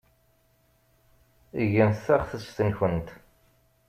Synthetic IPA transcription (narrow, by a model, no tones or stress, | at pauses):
iʝənθθæʁθəsθənçənt̪